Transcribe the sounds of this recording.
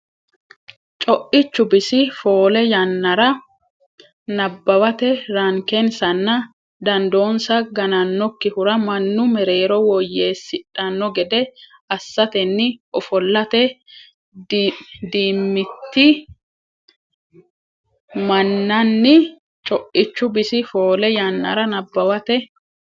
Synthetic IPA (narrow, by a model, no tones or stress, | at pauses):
t͡ʃʼɔʔɪt͡ʃːʊbɪsɪfo̞ːlɛjɐnːɐɾɐ | nɐbːɐwɐt̪ɛɾɐŋkɛnsɐnːɐ | d̪ɐnd̪o̞ːnsɐɡɐnɐnːɔkːɪhʊɾɐmɐnːʊmɛɾe̞ːɾɔwɔjːe̞ːsːɪᶑɐnːɔɡɛd̪ɛ | ɐsːɐt̪ɛnːɪʔɔfɔlːɐt̪ɛ | dd̪iːmːɪt̪ːɪ | mɐnːɐnːɪ | t͡ʃʼɔʔɪt͡ʃːʊbɪsɪfo̞ːlɛjanːɐ̰ɾɐnɐbːɐwɐt̪ɛ